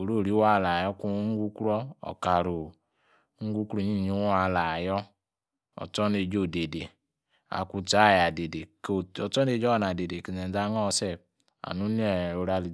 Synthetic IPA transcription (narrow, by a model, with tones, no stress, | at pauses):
o˨ɾo˦˨ɾi˦wa˦˨la˨jɔ˦ku˦ŋ̩˦ɡu˦kɾɔ˦ɔ̰˨ka˨ɾu˨ | ŋ̩˦ɡu˦kɾu˦˨ɲi˦˨ɲi˨˦a˦˨la˨jɔ˦ | ɔ̰˨t͡ʃɔ˦ne˧d͡ʒo˦˨de˨de˨ | a̰˨ku˧˦t͡ʃa˨˦˨ja˨de˨de˨t͡ʃɔ˦ne˦˧˨d͡ʒɔ˦˨na˨de˨de˨ki˨nɛ˨˦d͡za˦ŋɔ˦˨˦sɛ˦˨ | a̰˨nu˦ni˦ɛ˨o˨˧ɾa˧li˨